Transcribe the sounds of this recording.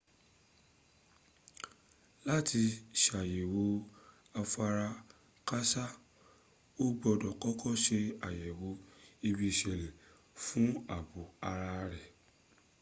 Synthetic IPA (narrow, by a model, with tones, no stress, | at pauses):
la˦ti˧ʃa˨je˨wo˨˦ | a˧fa˧ɾa˧ | ka˦sa˦ | o˦ɡ͡bɔ˧dɔ˨kɔ˦kɔ˦ʃe˧a˨jɛ˨wo˧˦i˧bi˧i˧˨ʃɛ˨lɛ˨ | fũ˦a˨bu˨˦a˧ɾa˧ɾɛ˨